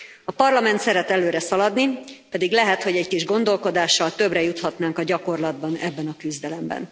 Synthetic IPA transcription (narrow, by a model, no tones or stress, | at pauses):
ɒpɒrlɒmɛnt̪sɛɾɛt̪ɛløːɾɛsɒlɒd̪nipɛd̪iɡlɛɦɛt̪ho̞ɟɛɟkiʒɡo̞nd̪o̞lko̞d̪aːʃːɒlt̪ø̞brɛjut̪hɒt̪naːŋkɒɟɒko̞rlɒd̪̚bɒnɛbːɛnɒkyzd̪ɛlɛmbɛ̰n